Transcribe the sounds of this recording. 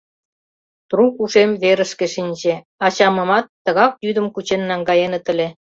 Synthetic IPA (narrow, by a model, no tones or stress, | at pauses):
t̪rukuʃemβeɾə̆ʃkĕʃinʲʑe | ɑt͡ɕɑmə̆mɑt̪ːə̆ɣɑkjyd̪əmkut͡ɕenːɑŋɡɑjenət̪ə̆lʲe